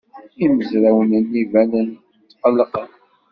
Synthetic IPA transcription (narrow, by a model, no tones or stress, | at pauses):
iməzɾæwənənːivænən | t͡s̪ːqəlːəqəm